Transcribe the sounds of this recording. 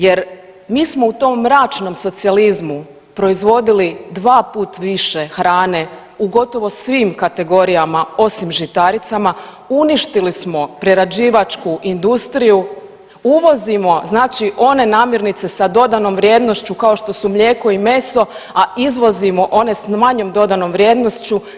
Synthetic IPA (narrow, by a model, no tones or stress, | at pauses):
je̞ɾ | miːsmo̞ut̪o̞mːɾaːt͡ʃno̞mso̞t̪sializmu | pɾo̞izʋo̞d̪ilid̪ʋaːpuːt̪ʋiʃe̞xɾaːne̞ | uɡo̞t̪o̞ʋo̞sʋiːmkat̪e̞ɡo̞ɾijamao̞simʒit̪aɾit̪sama | uniʃt̪ilismo̞pɾeɾad͡ʑiːʋat͡ʃkuʔind̪ust̪ɾiju | uʋo̞zimo̞znaːt͡ʃiʔo̞ne̞naːmjeɾnit̪se̞sad̪o̞d̪ano̞mʋɾje̞d̪no̞ʃt͡ɕukao̞ʃt̪o̞sumʎʲe̞ːko̞ime̞so̞ | aizʋo̞zimo̞ʔo̞ne̞smaɲo̞md̪o̞d̪ano̞mʋɾje̞ːd̪no̞ʃt͡ɕu